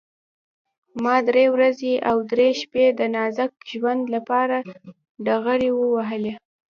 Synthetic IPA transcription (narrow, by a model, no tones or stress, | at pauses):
mɑd̪ɾewɾazeʔawd̪ɾeʃped̪ənɑzak̚ʒwand̪lapɑɾa | ɖaɣəɽewəwaɦəle